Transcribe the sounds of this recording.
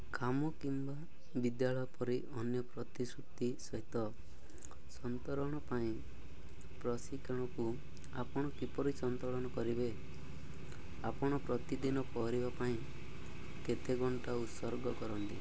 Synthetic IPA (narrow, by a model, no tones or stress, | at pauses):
kamɔkimba | bid̪jaɭɔjɔpɔɾiʔɔnjɔpɾɔt̪isɾuk̚t̪isɔɦit̪ɔ | sɔnt̪ɔɾɔɽ̃ɔpaĩ | pɾɔsikʰɔɽ̃ɔku | apɔɽ̃ɔkipɔɾisɔnt̪ɔɭɔɽ̃ɔkɔɾibe | apɔɽ̃ɔpɾɔt̪id̪inɔpɔɾibapaĩ | ket̪ʰeɡɔɳʈaut̪sɔɾɡɔkɔɾɔnt̪ḭ